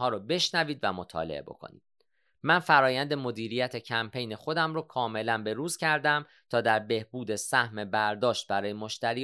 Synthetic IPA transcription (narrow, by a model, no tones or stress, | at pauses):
ɒːɾobe̞ʃnæviːd̪væmot̪ʰɒ̰lḛebo̞̰kʰo̰nḭːd̪̥ | mænfæɾɒːjænd̪e̞mo̞d̪iːɾijæt̪ʰe̞cʰæmpʰe̞jne̞xo̞d̪æmɾokʰɒːme̞lænbe̞ɾuːz̥cʰæɾd̪æm | t̪ʰɒːd̪æɾbe̞hbuːd̪esæhme̞bæɾd̪ɒːʃt̪̚bæɾɒːjemo̞ʃt̪æɾiː